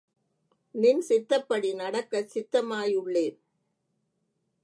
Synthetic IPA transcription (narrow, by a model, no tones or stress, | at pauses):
nɪnsɪt̪ːɐpːɐɽinɐɽɐkːɐsɪt̪ːɐmaːjʊɭːeː